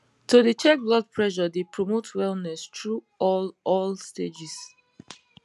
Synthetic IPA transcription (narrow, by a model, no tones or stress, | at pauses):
todət͡ʃɛk̚blɔd̚pʰɹɛʒɔdepʰɹomotʰwɛlˠnɛstɹu | ɔlɔlsted͡ʒis